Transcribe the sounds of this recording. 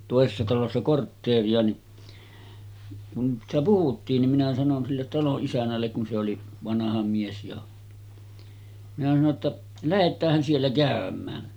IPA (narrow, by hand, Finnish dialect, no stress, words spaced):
toˑesesːɑ tɑlosːɑ kortːeːriɑ ni kun sitæ puhutːiːn nim minæ sɑnon silːet tɑloʔ ʔisænˑælːek kun se oli ʋɑnɑhɑ mies jo minæ sɑno tːɑ læhetˑæːhæn sielːæ kæˑømˑæː